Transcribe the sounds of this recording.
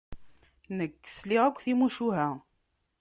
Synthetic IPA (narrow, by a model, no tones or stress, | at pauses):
nəkːə̥sliʁækʷːθimuʃuɦæ